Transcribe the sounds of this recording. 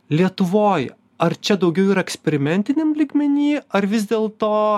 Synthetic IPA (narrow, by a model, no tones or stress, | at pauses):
lʲiɛt̪ʊʋoːj | ɐɾt͡ʃʲɛd̪ɐʊɡʲɛʊiːɾɐɛksʲpʲɛɾʲɪmʲɛnʲt̪ʲɪnʲɛmlʲiːɡmʲɛnʲiːɐɾʋʲɪzʲd̪ʲeːlˠt̪oː